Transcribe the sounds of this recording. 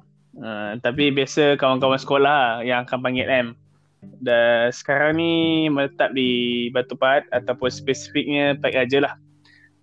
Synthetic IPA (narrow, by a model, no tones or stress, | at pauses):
ə̃t̪ap̬ibiasəkawankawansə̥kolahjaŋakanpaŋɡɛʔɛm | dasə̥kaɾaŋnimələt̪ap̚dibat̪upat̪̚at̪awpʊnspɛsi̥fik̚ɲə̃paiʔad͡ʒalah